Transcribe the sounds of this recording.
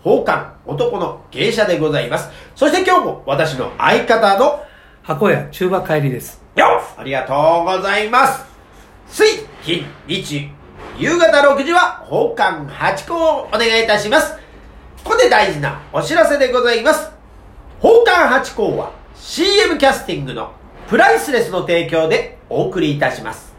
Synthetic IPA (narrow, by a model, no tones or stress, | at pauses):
ho̞ːkãŋo̞t̪o̞ko̞no̞ɡ̥ẽ̞ɰ̃ɕad̪e̞ɡo̞zaimasɨ̥so̞ɕit̪e̞kʲo̞ːmo̞̰βat̪aɕ̬ino̞̰a̰ikat̪ano̞ | hako̞jat͡ɕɨːbakaiɾʲid̪e̞sɨ̥ | joa̰ɾʲiɡat̪o̞ːɡo̞zaimasɨ̥ | t͡sɨiçʲĩɲɲʲit͡ɕi | jɯːɡat̪aɾo̞kɯ̟ʑiβaho̞ːkãŋhat͡ɕi̥ko̞ːone̞ɡait̪aɕimasɨ̥ | kokod̪e̞d̪aiʑina̰o̞ɕiɾase̞d̪e̞ɡo̞zaimasɨ̥ | ho̞ːkãɰɦat͡ɕi̥ko̞ːβa̰ | ɕiːe̞mɯ̟kʲasɨ̥t̪ʲĩŋɡɯ̟no̞̰ | pɯ̟ɾaisɨɾe̞sɨno̞t̪e̞ːk̬ʲo̞ːd̪e̞o̞ːkɯ̟ɾʲiːt̪aɕima̰sɨ̥